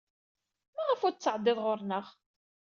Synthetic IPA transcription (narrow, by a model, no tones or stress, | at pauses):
mæʁəfʊɾt͡sːəʕd̪ːɪðˤʁoɾnəʁ